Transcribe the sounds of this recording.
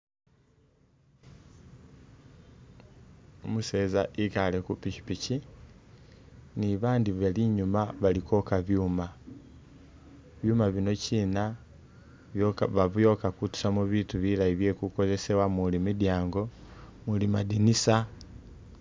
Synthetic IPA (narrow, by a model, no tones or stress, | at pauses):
omuseːzaʔikale̞kupici̥pici | niβaːndiβaliɲumaβaliko̞kaβjuːma | βjuːmaβino̞ciːna | βjβaβujo̞kakutu̥samuβituβilaiβje̞ːkuko̞ze̞se̞wamulimidjaːŋɡo̞mulimadinisa